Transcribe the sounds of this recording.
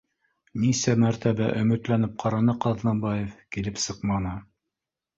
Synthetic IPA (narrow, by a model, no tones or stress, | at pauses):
nisæmæɾt̪æbæʔɵ̆mɵ̆t̪lænɘp̚qʰɑɾɑnɤqɑðnɑmbɑjefkilɘpsɤqmɑnɤ